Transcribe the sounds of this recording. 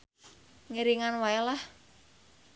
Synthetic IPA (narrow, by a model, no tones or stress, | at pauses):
ŋiɾiŋanwaelah